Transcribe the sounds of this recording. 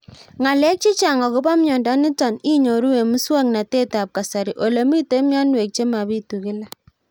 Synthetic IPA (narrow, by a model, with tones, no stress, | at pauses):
ŋa˨lɛ˦k̚t͡ʃi˦t͡ʃa˨ŋɔ˨kʊ˦ba˦mɲɔ˨ndɔ˦nɪ˦tɔ˨ni˦ɲo˨ɾu˦we˨mu˦swa˦ŋna˨te˦ta˨p̚ka˨sa˨ɾi˨ʔo˨le˨mi˦te˦mjɔ˦nwe˨k̚t͡ʃe˦ma˨bi˦tu˨kɪ˦la˦